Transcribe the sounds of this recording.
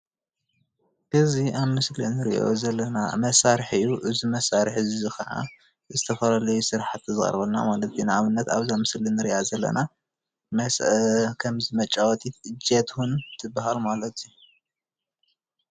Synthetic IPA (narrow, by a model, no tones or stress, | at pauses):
ʔɨziʔaβmɨslinɨɾḭʔo̰zɐlːɐnamɐsaɾħɨjuʔɨzimɐsaɾħzzɨxɐʕa̰ | zɨt̪ʰɐfɐlalɐjusɨɾħat̪ɨzɨχʼɐ̰ɾβɐlna̰malɐt̪ʰinaaβɨnːɐt̪aβzamɨslinɨɾiʔazɐlːɐ̰na | mɐskʰɐmzimɐt͡ʃʼawɔt̪ʰiɨd͡ʒet̪ʰwunt̪ʰɨbahalmalɐt̪ʰiju